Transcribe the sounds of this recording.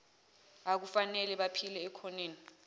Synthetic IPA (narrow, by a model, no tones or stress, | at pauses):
ak̬ufanɛlɛɓapʰilɛːkʰɔneːni